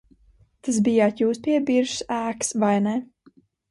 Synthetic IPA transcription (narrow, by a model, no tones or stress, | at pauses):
t̪as̬bijaːt̪juːspʲiɛbiɾʃsæːksvajnɛ